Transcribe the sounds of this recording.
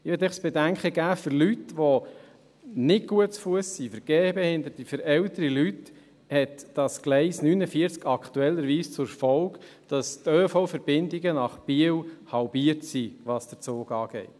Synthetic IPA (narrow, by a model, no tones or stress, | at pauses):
ɪʋɛt̪ɛχsb̥ɛdæŋkχəɡæːfʏɾlytʋɔ | nɪtɡ̥uətsfuəsːifəɾɡ̥eːbɛhɪnd̪əɾt̪ifəɾɛltəɾilyt | hɛtd̥ɑsɡ̥lɛɪsnynəfiəɾt͡skɑktuɛlːəɾʋiːst͡sʊɾfɔlk | d̥ɑstøːfɔʊfəɾb̥ɪndɪɡənɑχb̥iəwhɑlbiəɾtsiʋɑsd̥ət͡soːɡɑːɡ̥ɛ̰ɪt